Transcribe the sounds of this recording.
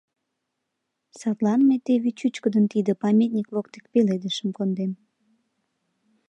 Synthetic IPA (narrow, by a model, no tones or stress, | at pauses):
sɑt̪lɑnmet̪eβit͡ɕut͡ɕkəd̪ənt̪id̪əpɑmʲet̪̚nʲiklokt̪e̥k̚peled̪əʃəmkond̪em